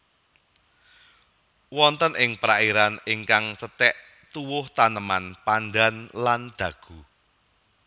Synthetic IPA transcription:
wɔnt̪ənʔɪŋpɾaiɾanɪŋkaŋt͡ʃət̪ɛʔ | t̪uwʊht̪anəmanpanɖanland̪̥ä̤ɡ̥ṳ

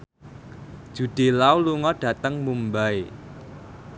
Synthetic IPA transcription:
d̥ʒ̥ṳɖ̥e̤lauluŋɔɖ̥ä̤t̪əŋmumbae

